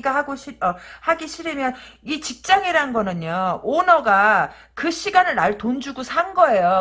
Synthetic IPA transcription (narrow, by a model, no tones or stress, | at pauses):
ɡaɦaɡoɕʰiʌhaɡiɕʰiɾɯmjʌnit͡ɕik̚t͡ɕ͈aŋiɾaɯnɡʌnɯɲoonʌɡa | kɯɕʰiɡanɯɭaɭtond͡ʑuɡosʰaŋɡʌejo